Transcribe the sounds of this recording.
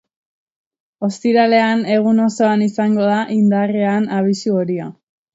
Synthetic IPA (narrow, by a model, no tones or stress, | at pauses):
o̞st̪iɾale̞ane̞ɣ̞uno̞so̞anisaŋɡo̞ðaʔind̪areanaβ̞isuoɾia